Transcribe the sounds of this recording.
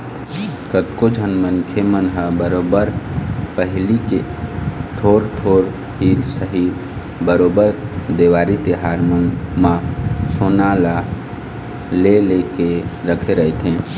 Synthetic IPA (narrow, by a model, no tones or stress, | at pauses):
kət̪kod͡ʒʱənmənkʰemənɦəbəɾobəɾpəɦlike | t̪ʰoːɾt̪ʰoːɾ | ɦit̪səɦi | bəɾobəɾd̪eʋaːɾit̪eɦaɾmonmãsonala | lelekeɾəkʰeɾəɦet̪ʰɦẽ